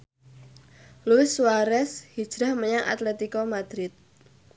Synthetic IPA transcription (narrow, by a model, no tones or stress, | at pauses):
luɪswaɾɛshid̥ʒ̥ɾahməɲaŋʔa̰t̪lɛt̪ikɔmad̪̥ɾɪt̪̚